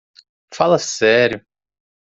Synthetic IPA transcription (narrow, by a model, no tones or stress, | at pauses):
falɐsɛɾjʊ